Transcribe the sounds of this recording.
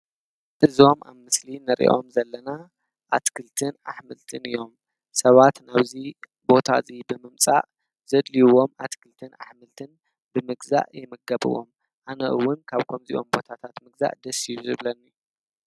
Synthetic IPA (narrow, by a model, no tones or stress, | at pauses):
ʔɨzo̞mʔa̰βmɨslinɨɾḭʔo̞̰mzɐlːɐna | ʔa̰t̪kʰɨlt̪ʰɨna̰ħmɨlt̪ʰɨnɨjo̞m | sɐβat̪naβzi | bo̞t̪ʰa̰zibɨmɨmt͡sʼa̰ʔ | z̥ɐd̪liwo̞mʔat̪kʰɨlt̪ʰɨna̰ħmɨlt̪ʰɨn | bɨmɨɡza̰ʔjɛmɨɡɐβɨ̰wo̞m | ʔanɐʔɨwːʊnkʰaβkʰomzḭʔo̞̰mbo̞t̪ʰat̪ʰat̪mɨɡza̰ʔd̪ɐsijuzɨβlɐnːij